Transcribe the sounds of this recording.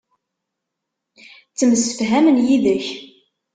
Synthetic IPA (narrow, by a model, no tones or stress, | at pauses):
t͡sːəmsə̥fɦæmənjiðəç